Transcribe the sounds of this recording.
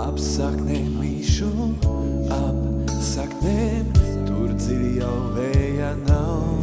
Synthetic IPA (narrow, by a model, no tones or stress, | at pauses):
apsaknɛmiʃu | ap | saknɛmt̪uɾd̪zilijawvɛjanaw